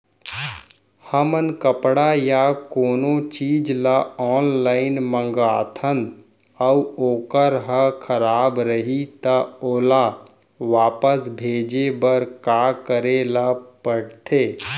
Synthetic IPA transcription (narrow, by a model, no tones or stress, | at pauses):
həmənkəpɽajakoːnõt͡ʃiːd͡ʒlaɔːnlaːɪnmə̃ŋɡaːt̪ʰə̃nd̪ | əuoːkəɾɦəkʰəɾaːbɾəɦit̪aoːla | ʋaːpəsbʱeːd͡ʒebəɾkaːkəɾelapəɽt̪ʰeː